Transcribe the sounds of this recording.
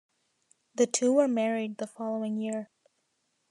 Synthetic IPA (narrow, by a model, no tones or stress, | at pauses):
ðɨtʰuwə˞mɛɹid̪̚ðəfɑlˠoʊɪ̃ŋjɪɹ